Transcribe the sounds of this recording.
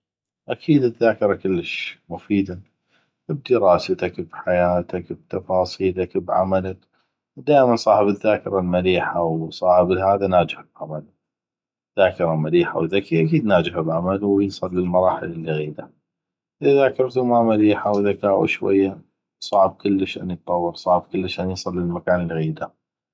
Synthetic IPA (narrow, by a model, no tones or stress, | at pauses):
ʔakʰiːd̪ɪðːaːkɪɾˤɑkɪlːəʃmʊfiːd̪a | b̚d̪əɾɑːsat̪akbħajaːt̪ʰakb̚t̪ɑfɑːsˤiːlakbʕa̰malak | d̪aːʔɪmansˤɑːħɪbɪðːaːkɪɾˤalmaliːħawsˤɑːħɪbɪlhaːðanaːd͡ʒɪħabʕamal | ðaːkɪɾˤɑmaliːħa̰wðakːiʔakiːd̪naːd͡ʒɪhabʕamalwjsˤɨlːəlmɑɾˤɑːħɪlɪlːiɣiːd̪a | ʔɪðakɑɾˤt̪umamaliːħawðakaːʔṵʃwa̰jːa | sˤɑʕb̚kʊlːəʃʔa̰njt̪ˤːɑwːɨɾsˤɑʕb̚kʊlːəʃʔanjsˤɨlːəlmakaːnəlɣiːd̪a